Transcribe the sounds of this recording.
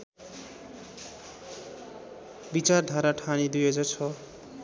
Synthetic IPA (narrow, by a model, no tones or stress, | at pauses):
bit͡sard̪ʱaɾaʈʰanid̪ujed͡zʌt͡sʰʌ